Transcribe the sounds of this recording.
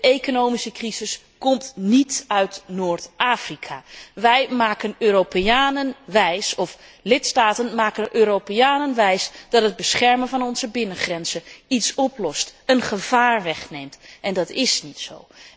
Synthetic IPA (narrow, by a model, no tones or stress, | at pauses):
ekonowmisəkrizɪs | kɔmtnitœɥtnoːɹtʔaːfrikʰaʋɛjmaːkənøːɾopeaːnənʋɛjsɔflɪtstaːtənmaːkənʔøːɾowpejaːnənʋɛjsd̥ɑtɦəd̚bəsχɛɹmənvɑnɔnzəbɪnəχrɛnz̥əitsɔplɔstənχəv̥aːɹʋɛχnejmtʔɛndɑtɪsnitso̰w